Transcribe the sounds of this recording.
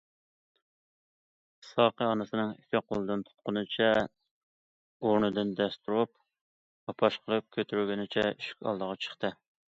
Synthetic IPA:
sɑqəɑnɨsɨnɨŋifʲɪqʰolˠɨd̪ɨnt̪ʰʊ̥t̪̚qʊnɨt͡ʃʰɛ | oɾnɨd̪ɨnd̪ɛst̪uɾup | ɑpʰɑʃqʰəlˠɨp̚kʲʰøt̪ʰyɾyɡʲenɪt͡ʃʰɛyʃy̥kʲɑ̰lˠd̪əʁɑt͡ʃʰə̥χt̪ɨ

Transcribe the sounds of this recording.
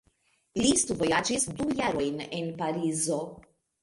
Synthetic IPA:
list̪uvo̞jad͡ʒisdujaɾo̞jnenpaɾizo̞

